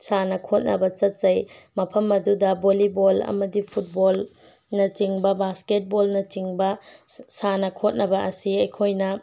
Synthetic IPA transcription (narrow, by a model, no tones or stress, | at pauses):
sanɐkʰot̚nʔɐ̰bɐt͡ʃɐt̚zɐjmɐpʰɐmɐdudɐbolibolɐ̰mɐdipʰut̚bol | nɐt͡ʃiŋbɐbasket̚bolnɐt͡ʃiŋbɐsanɐkʰot̚nɐbɐʔɐsiɐjkʰojnɐ